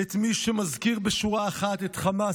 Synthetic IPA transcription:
et̪miʃemazkiʁbeʃuʁaːχat̪etχama

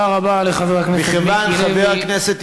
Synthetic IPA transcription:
aʁabaleχaveʁakneisχevanχaveʁakneset̪

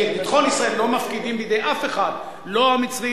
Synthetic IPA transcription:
ibit̪χo̞nisʁaelːo̞mafkid̪imbijd̪ejʔafe̞χad̪ | lo̞amit͡svi

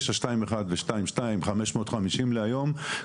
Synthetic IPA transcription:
ʃaʃtaimeχad̪veʃtaimʃtaimχame̞ʃmo̞ːtχamiʃimleajo̞m

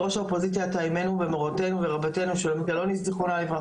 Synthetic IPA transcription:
ʁo̞ʃaopozit̪sjaːt̪aime̞nuvemoʁot̪enuveʁabate̞nuʃelomit̪alo̞niszeχonaleva

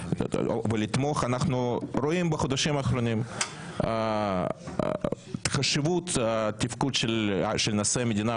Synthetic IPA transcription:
velit̪moχanaχnuroimbɐxod̪ɐʃimɐχɾonʲim | t̪χɐʃɪvut̪t̪ʲifkud̪ʃelʃelnɐsemʲed̪ʲina

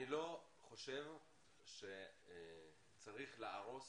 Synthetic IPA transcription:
ilo̞ | χo̞ʃe̞v | ʃe̞ | t͡saʁiχleaʁo̞s

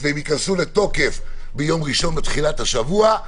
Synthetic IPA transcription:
veemikansulet̪o̞ke̞fbejo̞mʁiʃo̞nbet̪χilat̪haʃavua

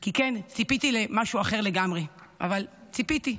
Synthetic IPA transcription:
kikent͡sipit̪ilemaʃuaχe̞ʁle̞ɡamʁeʔa̰valt͡sipit̪i

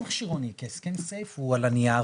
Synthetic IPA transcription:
aχʃiʁonikeskensejfhualania

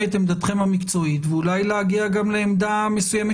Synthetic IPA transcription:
et̪emd̪at̪χe̞mhamikt͡so̞it̪veulajleaɡiaɡamleːmd̪ame̞sujeme

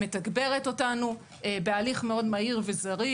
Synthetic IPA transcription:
metaɡbe̞ʁe̞to̞tanu | ebealiχmeo̞dmaiʁvezaʁi

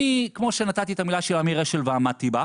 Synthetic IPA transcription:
ikmo̞ʃe̞nat̪at̪it̪amilaʃelamiʁeʃelveamat̪iba

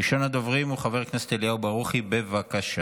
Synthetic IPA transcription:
iʃo̞nad̪o̞vʁimuχave̞ʁknese̥t̪eljaubaʁuχibe̞vakaʃa

